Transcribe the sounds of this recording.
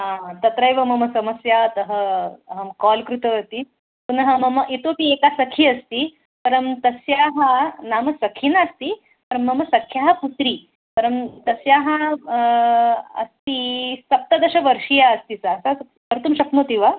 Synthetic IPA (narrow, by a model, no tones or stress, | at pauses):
ɦãt̪ɐt̪ɾəjʋɐmɐməsɐməsjat̪əɦəɦəmkɔlkɾut̪əʋɐt̪i | p̪unɐɦəmɐməʔit̪opiːekasɐkʰiːɐst̪i | pɐɾəmt̪ɐsjaɦanamɐsɐkʰinast̪i | pɐɾəmːɐməsɐkʰːjaɦɐput̪ɾiː | pɐɾəmt̪ɐsjaɦã | ɐ̰st̪isɐp̚t̪ad̪ɐɕɐʋəɾʂijaəst̪isaːsas | əɾt̪umɕɐknot̪iʋa